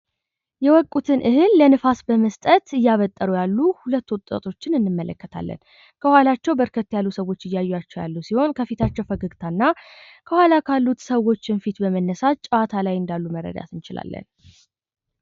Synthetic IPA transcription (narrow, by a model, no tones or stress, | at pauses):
jɛwɔkʼːut̪ʰɨnʔɨhɨnlənɨfasbəməst̪ʼət̪ɨjːaβət̪ʼːəɾujalːuhulət̪ːuwt̪ʼːə̰t̪ʰʼo̞t͡ʃːɪnɨnːɨmːələkːət̪ʰa̰lːə̰n | kʰəhʷwalat͡ʃːɛwbəɾkʰət̪ːjalːusəwo̞t͡ʃːɨjːajːjat͡ʃːɛwja̰lːuwsiho̞nkʰəfit̪ʰat͡ʃːɛwfəɡəɡt̪ʰanːa | kʰəhʷwalakʰalːut̪səwo̞t͡ʃːɪnfit̪bəmənːəsat͡ʃʼwat̪ʰalajɨnd̪alːumərːə̰d̪a̰t̪ʰɨnt͡ʃɪla̰lːə̰n